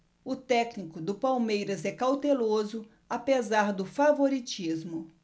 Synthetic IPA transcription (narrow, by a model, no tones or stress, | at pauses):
ʊt̪ɛknikʊd̪ʊpawmejɾɐzɛkawt̪elozʊ | apezaɾd̪ʊfavoɾit͡ʃizmʊ